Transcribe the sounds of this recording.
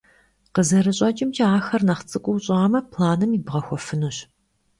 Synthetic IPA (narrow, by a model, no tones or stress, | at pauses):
qəzɐɾɨɕʼɐt͡ʃʼɪmt͡ʃʰiaːxɐrnɐχt͡sʼɨkʷʼʊwɕʼːmɐpʰlaːnɨmibʁɐxʷɔfɨnuɕ